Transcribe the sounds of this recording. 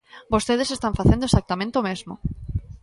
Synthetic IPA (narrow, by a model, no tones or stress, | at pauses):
bost̪eð̞esest̪aɱfaθẽnd̪oesak̚t̪amẽnt̪eomezmo̰